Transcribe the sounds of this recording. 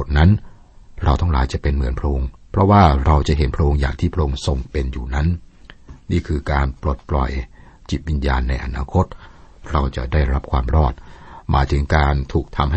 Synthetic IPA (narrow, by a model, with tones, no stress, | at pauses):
t̪̚na˦˥n | ɾa˧wt̪ʰa˥˩ŋlaː˩˦jt͡ɕa˨˩ʔpe˧nmɯ˩˦ənpʰɾa˧ʔo˧ŋpʰɾɔ˦˥waː˥˩ɾa˧wt͡ɕa˨˩ʔɦe˩˦npʰɾa˧ʔo˧ŋjaː˨˩k̚t̪ʰiː˥˩pʰɾa˧ʔoː˧ŋso˧ŋpe˧njuː˨˩na˦˥n | niː˥˩kʰɯː˧kaː˧npɾo˨˩t̪̚plɔ̰˨˩j | t͡ɕi˨˩t̪̚wi˧njaː˧nːa˧jʔa˧naː˧kʰo˦˥t̪̚ | ɾa˧wt͡ɕa̰˨˩daː˥˩jɾa˦˥p̚kʰwaː˧mɾɔː˥˩t̪̚mʔa̰ː˨˦jt̪ʰɯ˩˦ŋkaː˧nt̪ʰuː˨˩k̚t̪ʰa˧mha˥